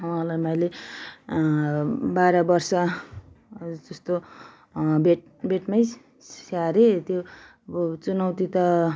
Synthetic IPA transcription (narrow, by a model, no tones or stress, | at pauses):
wãlajmʌjle | baɾʌbʌrsʌ | d͡zʌst̪o | beʈ̚ | beʈmaj | ssaɾet̪jo | ʌbʌt͡sunʌwt̪it̪ʌ